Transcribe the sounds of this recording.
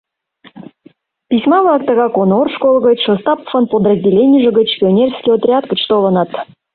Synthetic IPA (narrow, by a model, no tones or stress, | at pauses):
pʲisʲmɑvlˠɑk̚t̪əɣɑkonorʂkolˠɣət͡ɕʲʃəst̪ɑpə̥fənpod̪rəzʲdʲilʲenʲijəʒə̆ɡət͡ɕpʲionʲerskʲijot̪rʲat̪ɡət͡ɕt̪olˠənɑt̪